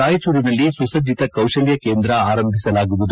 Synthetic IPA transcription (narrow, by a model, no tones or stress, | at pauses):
aːjɐt͡ʃuːɾinɐlːisusɐd͡ʒit̪ɐkɐwʃɐljɐke̞ːnd̪ɾɐaːɾɐmbʱisɐlaːɡuʋud̪u